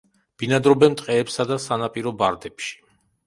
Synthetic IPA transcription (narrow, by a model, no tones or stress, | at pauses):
b̥inad̪ɾɔbɛmt̪ʼqʼɛːpsad̪asanapʼiɾɔbaɾd̪ɛpʃi̥